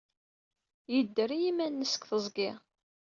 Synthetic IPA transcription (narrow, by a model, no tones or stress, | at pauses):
jəd̪ːəɾijimænːəsə̥kθəzˤɡɪʁ